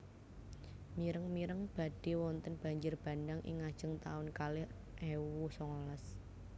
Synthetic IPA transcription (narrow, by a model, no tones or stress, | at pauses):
miɾəŋmiɾəŋb̥ä̤d̥e̤wɔnt̪ənb̥a̤ɲd͡ʒɪrb̥a̤ndaŋʔɪ̰ŋad̥ʒ̥ə̤ŋt̪aʊnkalɪh | ʔewusɔŋɔlas